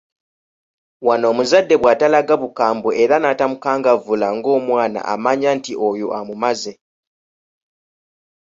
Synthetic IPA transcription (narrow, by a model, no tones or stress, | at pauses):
wano̞ːmuzadːe̞βwaːtalaɡaβukaːmbue̞ɾanatamukaːŋɡavulaŋɡo̞ːmwaːna̰ʔa̰maɲantiʔojoʔamumaze̞